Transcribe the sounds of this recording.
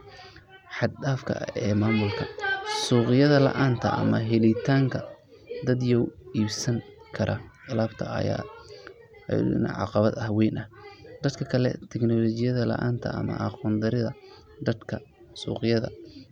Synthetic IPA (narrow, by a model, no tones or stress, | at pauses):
ħɑd̪daːfkʰɐ̰ɛːmaːmʊlkʰɐsuːqɪjɐðɐlɐ̰ʔaːnt̪ʰɐ̰ʔɐ̰mɐɦɛlɪt̪ʰaːŋkʰɐ | d̪ɐd̪jɔwiːbsɐŋ | kʰɐɾʔɐ̰ɪlaːbt̪ʰɐɐ̰ja̰ | nɐ̰ʕɑ̰qɑβɐd̪ɐhwɛjnʔɐhd̪̥ɐd̪kʰɐkʰɐlɛ̰t̪ʰɛɡnɔlɔt͡ʃɪjɐðɐlɐ̰ʔaːnt̪ʰɐ̰ɐ̰mɐ̰ʔɑquːnd̪ɐɾɪðɐ | d̪ɐd̪kʰɐ | sṵːqɪjɐðɐ̰